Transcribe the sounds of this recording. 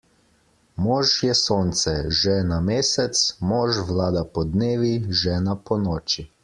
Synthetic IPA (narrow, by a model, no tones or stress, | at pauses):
mɔːʒʃjɛsoːnt̪sɛʒɛnameːsɛt̪smɔːʒʋlaːd̪apɔd̪neːʋiʒɛːnapɔnɔːt͡ʃi